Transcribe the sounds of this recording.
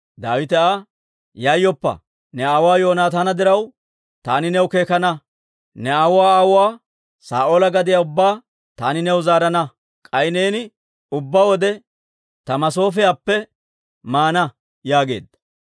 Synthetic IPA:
d̪aːwɪt̪ɛa | jajːɔpːɐ̰ | nɛaːwaːjo̞ːnaːt̪anɐd̪ɪɾɐw | t̪aːnɪnɛwke̞ːkɐnɐ | nɛawwaːaːwwaː | sa̰ːʔoːlɐɡɐd̪ɪjaʊbːaː | t̪aːnɪnɛwzaːɾɐnɐ | kʼɐjɪneːnɪ | ʊbːaːwɔd̪ɛ | t̪ɐmɐso̞ːfɛjaːpːɛ | maːnɐ | jaːɡe̞̰ːd̪ɐ

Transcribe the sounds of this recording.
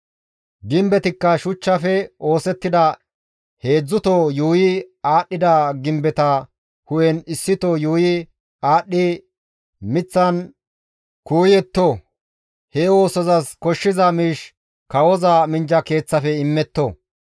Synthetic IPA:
ɡɪmbɛt̪ɪkːɐʃʊt͡ʃːɐfɛo̞ːsɛt̪ːɪd̪ɐ | he̞ːd͡zːʊt̪ɔjuːjɪaːɗːɪd̪ɐɡɪmbɛt̪ɐ | hʊjɛnɪsːɪt̪ɔjuːjɪ | aːɗːɪ | mɪt͡sːɐn | kuːjɛt̪ːo | hewo̞ːsɔzɐskɔʃːɪzɐmiːʃ | kɐwɔzɐmɪnd͡ʒɐke̞ːt͡sːɐfɛɪmːɛt̪ːɔ

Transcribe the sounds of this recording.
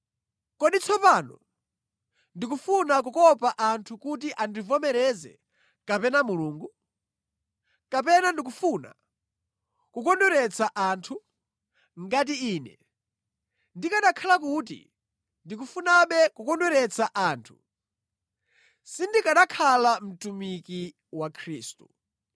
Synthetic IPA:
kɔɗit͡sʰɔpaːnɔ̰ | ndik̬ufunak̬ukɔpaʔantʰukut̬iʔandivɔmɛɾɛzɛ̰ | kapɛnamuluːŋɡu | kapɛnandik̬ufuna̰ | kukɔnduɾɛt͡sʰaʔaːntʰu | ŋɡat̬iiːnɛ̰ | ndikaɗakʰalak̬ut̬ḭ | ndik̬ufunaɓɛkukɔndɛɾɛt͡sʰaʔaːntʰu | sindikaɗakʰalam̩tumiki | wakʰɾiːstu

